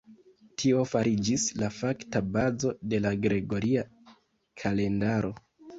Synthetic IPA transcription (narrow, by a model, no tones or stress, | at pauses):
tʰio̞faɾid͡ʒislafaktabazo̞de̞laɡɾe̞ɡo̞ɾia | kʰale̞ndaɾo̞